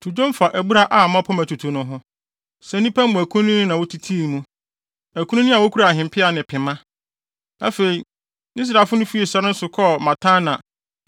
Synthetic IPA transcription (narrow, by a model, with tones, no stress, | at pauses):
tʰu˨d͡ʒõ˦m˦fa˨ʔæ˨bu˦ɾa˦ʔa˨mã˦pʰɔ˦mæ˨tʰu˨tʰu˨˦nʊ̃˦ɦɔ̃˦ | sɛ˨˦nĩ˦pʰæ̃˦mʊ̃˨æ˨kʰũ˦ĩ˦nɪ̃˦nã˨wo˦tʰi˦tʰi˦˨mũ˦ | æ˨kʰũ˦nũ˦nĩ˦a˨wo˦kʰu˦ɾa˨ɦɪ̃˨m˨pʰɪ˦a˨nɪ̃˨pʰɪ̃˨mã˦ | a̰˨fe˨i˨ | nɪ̃˦s̬ɾaː˨fʊ˦nʊ̃˦fi˦e˨sɛ˦ɾɪ˦n̩˦sʊ˨kʰɔ˦mã˨tʰãː˦nã˨